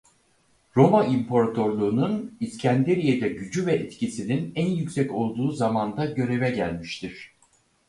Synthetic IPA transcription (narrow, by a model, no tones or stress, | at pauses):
ɾo̞maimpʰo̞ɾat̪ʰo̞ɾlˠuːnuniscʰænd̪eɾijed̪ɛɟyd͡ʒyvɛɛt̪cisininænjycʲsɛco̞lˠd̪uːzamand̪aɟø̞ɾe̞vɛɟæ̰lʲmiʃt̪ʰiɾ̥